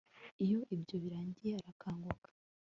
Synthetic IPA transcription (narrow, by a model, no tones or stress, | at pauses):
ijo̞ʔibjo̞βiɾaːɲɟijeaɾakʰaːŋɡwukḁ